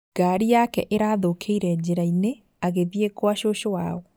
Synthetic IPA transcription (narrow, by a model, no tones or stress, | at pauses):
ɡ̥aɾijakɛʔeɾaðokʰeiɾɛd͡ʑeɾaine | aɣeðjekwaʃoʃowaoɔ